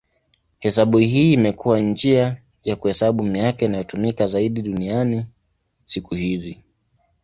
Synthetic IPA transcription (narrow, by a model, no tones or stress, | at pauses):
hɛsaɓuhiːmɛkuwand͡ʒia | jakuhɛsaɓumijakɛinajɔtumikazaiɗiɗuniani | sikuhizi